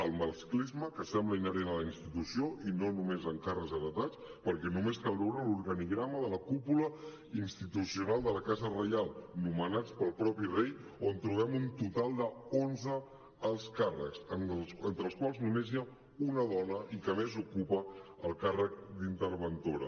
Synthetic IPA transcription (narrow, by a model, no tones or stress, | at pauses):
əlˠməlˠsklizməkəsɛmbləinəɾenələinst̪it̪usioʔinonumezəŋkarəkzəðət̪at͡s | pəɾkɛnumeskalˠβɛwɾaluɾɣəniɣɾaməðələkupulə | inst̪it̪usiunalˠd̪ələkazərəjalˠnumənat͡spəlˠpɾɔpirejont̪ɾuβ̞ɛmunt̪ut̪alˠd̪əonzəː | lˠskarə̰ksənsənt̪ɾəːlˠskwalˠznumezja | unəðɔnəikəmezukupəəlˠkarək̚d̪int̪əɾβənt̪oɾə̰